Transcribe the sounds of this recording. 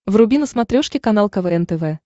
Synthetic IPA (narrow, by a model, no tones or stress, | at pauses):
vrʊbʲinəsmɐt̪ɾʲoʂkʲɪkɐnalˠkɐvɛɛnt̪ɛvɛ